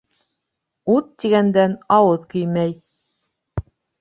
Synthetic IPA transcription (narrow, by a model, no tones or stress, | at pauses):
ut̪ːiɡænd̪ænɑwɤðkɵjmæj